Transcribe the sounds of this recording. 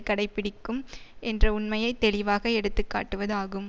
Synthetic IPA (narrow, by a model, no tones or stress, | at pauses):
kːɐɽɐɪpːɪɽɪkːɯmʔɛndrɐʊnmɐjɐɪt̪ːɛlɪʋaːɣɐɛɽɯt̪ːɯkːa̰ːʈːɯʋɐðaːɣɯm